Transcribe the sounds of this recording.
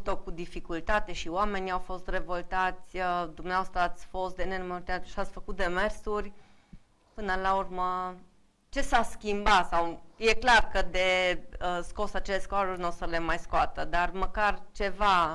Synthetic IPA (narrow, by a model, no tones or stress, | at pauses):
t̪o̞kud̪ifikult̪at̪e̞ʃioame̞niawfo̞st̪re̞vo̞lt̪at̪sʲəd̪umneaast̪ɾəat̪sʲfo̞st̪d̪e̞nenumot̪eat̪ʃat̪sʲfəkut̪̚d̪e̞me̞rsurʲ | pɨnəlaurmə | t͡ʃe̞saskʲimbat̪sawje̞klarkəd̪e̞əsko̞sat͡ʃe̞leskoaɾurʲnosəle̞majskoat̪əd̪arməkart͡ʃe̞va